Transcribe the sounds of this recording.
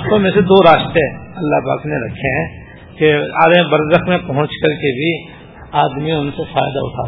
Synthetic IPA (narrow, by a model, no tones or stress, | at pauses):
t̪õmẽsed̪oːɾaːʃt̪eɐlːaɦpa̰ːkneɾɐ̰kʰeɦɛ̃ | kea̰ːd̪̃bɐɾzəxmẽpɐɦʊ̃t͡ʃkɐɾkebʱi | aːd̪miʊnsefa̰ːjd̪a̰ʊ̰ʈʰa̰ː